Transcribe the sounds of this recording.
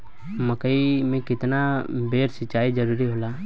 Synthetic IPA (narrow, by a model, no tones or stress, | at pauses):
məkəimẽkɪt̪nabeːɾsɪt͡ʃaːid͡ʒəɾuːɾiɦoːlaː